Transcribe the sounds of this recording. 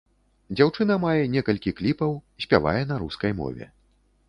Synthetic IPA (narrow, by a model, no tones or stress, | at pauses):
d͡zʲawt͡ʂɨn̪ɐmajɛnʲɛkɐlʲkʲiklʲipɐwsʲpʲava̰jɛn̪aɾuskɐjmɔ̰vʲɛ̰